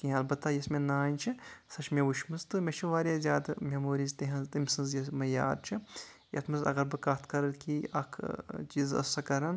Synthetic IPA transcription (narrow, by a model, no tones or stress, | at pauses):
kiɦɐlbɐt̪ːajɐsmenaːnʲt͡ʃʰisɐt͡ʃʰmẽʋuʃmɨst̪ɨmʲet͡ʃʰiʋaːɾʲjaːzʲaːd̪mʲemoːɾiːzt̪eɦɐzt̪ɐmʲsɨnzjɐsmɐjaːd̪̚t͡ʃʰi | jḛt̪ʰmɨzɐ̰ɣɐɾbɨkaːt̪ʰkɐɾɐlkiɐ̰kʰt͡ʃiːzɐ̰sɐkɐɾɐn